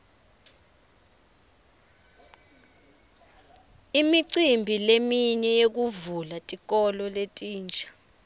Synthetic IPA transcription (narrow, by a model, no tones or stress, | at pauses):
imiǀimbʱilemiɲɛjek̬uvulatʼik̬ʼɔlɔletʼiːnd͡ʒʱḁ